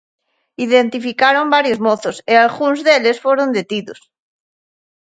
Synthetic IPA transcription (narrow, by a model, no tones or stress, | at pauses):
iðent̪ifikaɾombaɾjozmoθosealɣunzðelesfoɾond̪et̪iðos